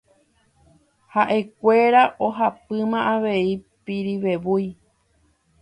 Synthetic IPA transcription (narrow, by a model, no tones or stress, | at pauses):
haʔe̞kʷe̞ɾaʔoɦapɨmãʔaʋe̞i | piɾiʋe̞ʋuj